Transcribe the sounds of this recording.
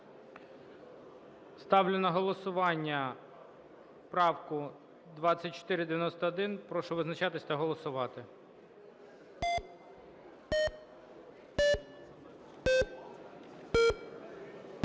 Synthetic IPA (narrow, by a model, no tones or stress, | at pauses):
st̪ɑwlʲɪnɐɦɔlˠɔsʊʋɑnʲːɐ | pɾɑwkʊ | d̪ʋɑsʲɐt̚ʲt͡ʃɔ̥t̪ɪɾʲɪd̪eʋʲjɐnɔst̪ɐːd̪ɪnpɾɔʃɔʋɪznɐt͡ʃɑt̪ɪsʲt̪ɐɦɔlˠɔsʊʋɑt̪ɪ